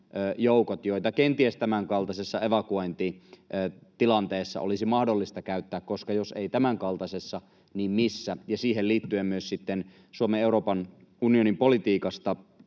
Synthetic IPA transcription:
ʔøːjoukot̪joit̪ɑkent̪iest̪æmæŋkɑlt̪ɑsesːɑeʋɑkuojnt̪iʔːt̪ilɑnt̪eːsːɑ̰o̰lisimɑhdolːist̪ɑkæyt̪ːæːkkoskɑjoseit̪æmæŋkɑlt̪ɑsesːɑ | niːmmisːæjɑsiːɦeliːt̪ːyemmyøssit̪ːen | suomeeuɾoːpɑn | unionimpolit̪iːkɑst̪ɑ

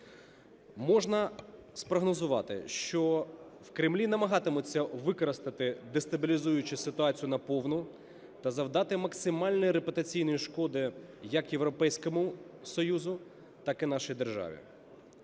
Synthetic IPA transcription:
mɔʒnɐspɾɔɦnɔzʊʋɑ̰t̪ɪ̰ʃt͡ʃɔwkɾɪmlʲinɐmɐɦɑt̪ɪmʊt͡sʲːɐʋɪkɔɾɐst̪ɐt̪ɪd̪est̪ɐbʲilʲizujʊt͡ʃɪsɪt̪ʊɑt͡sʲijʊnɐpɔwnʊ | t̪ɐzɐwd̪ɑt̪ɪmɐksɪmɑlʲnɔjiɾepʊt̪ɐt͡sʲijnɔjiʃkɔd̪ɪ | jɐkjeʋɾɔpɛjsʲkɔmʊsɔjuzʊ | t̪ɑkɪnɑʃɔjd̪erʒɑ̰ʋʲḭ

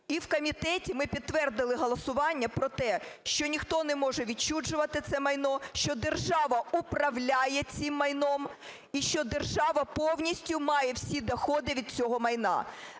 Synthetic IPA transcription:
iwkɔmʲit̪ɛtʲimɪpʲit̪ːʋɛrd̪ɪlˠɪɦɔlˠɐsʊʋɑnʲːɐpɾɔt̪ɛʃt͡ʃɔnʲixt̪ɔnɛmɔʒɛʋʲid̚t͡ʃud͡ʒʊʋɐt̪ɪt̪sɛmɐjnɔʃt͡ʃɔd̪erʒɑʋɐupɾɐwlʲajɛt͡sʲimːɐjnɔm | iʃt͡ʃɔd̪erʒɑʋɐpɔwnʲisʲtʲʊmɑjɛwsʲid̪ɐxɔd̪ɪʋʲid̪̚t͡sʲɔɦɔmɐjnɑ̰

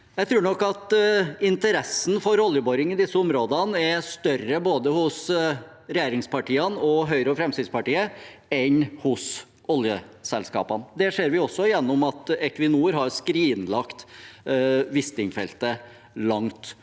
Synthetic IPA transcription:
jæɪt̪ʰɾʉːɳɔkːɑt̪ɪnt̪əɾɛsːn̩fɔɾɔljəbɔɾɪŋɪd̪ɪsːəʊmɾoːd̪ənɛst̪œrəboːd̪əhʊs | ɾɛjeːɾɪŋspʰɑʈiːənɔɦœʏɾəɔfɾɛmsɪd̪spɑʈiːəɛnhʊs | ɔljəsɛlskɑ̰ːpɑnd̪ɛʂeːɾʋɪɔsːɔjɛnːʊmɑt̪ɛkʋɪnuːəɾɦɑɾskɾiːnlɑkt̪ | ʋɪst̪ɪŋfɛ̰lt̪ə | lɑŋt̪

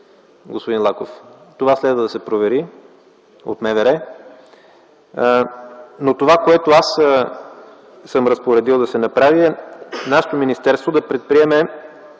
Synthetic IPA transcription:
ɡospod̪inlˠakoft̪ovaslɛd̪vəd̪ɐsɛpɾovɛɾi | o̰t̪mɛvɛɾɛ | not̪ovakoɛt̪oas | sɤmɾɐspoɾɛd̪ilˠd̪ɐsɛnɐpɾaviɛnaʃɛ̥t̪ominist̪ɛɾst̪vod̪ɐpɾɛt̪̚pɾiɛmɛ

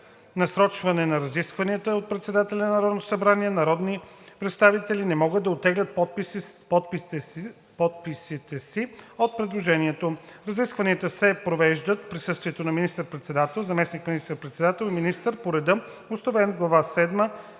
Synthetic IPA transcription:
nɐsɾɔt͡ʃvɐnɛnɐɾɐziskvɐniət̪əot̪̚pɾɛt̪sɛd̪at̪ɛlʲɛnnɐɾɔd̪not̪o̥sɐbɾaniɛnɐɾɔd̪ni | pɾɛt̪st̪avit̪ɛlinɛmɔɡəd̪ːɐot̪ːɛɡlʲət̪̚ppɔt̪p | pɔt̪̚pisit̪ɛsiot̪̚pɾɛd̪lˠoʒɛniɛt̪oɾɐziskvɐniət̪əsɛpɾovɛʒd̪ət̪pɾisɤst̪viɛt̪onɐminist̪əɾpɾɛt̪sɛd̪at̪ɛlˠzɐmɛsnikminist̪əɾpɾɛt̪sɛd̪at̪ɛlˠiminist̪əɾpoɾɛd̪ə | osnovɛnɡlˠɐvasɛd̪mə

